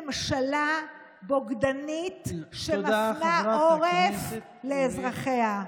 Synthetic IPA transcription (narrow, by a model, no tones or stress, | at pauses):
mʃala | boɡd̪anit̪ʃemanaoʁef | leːzʁaχea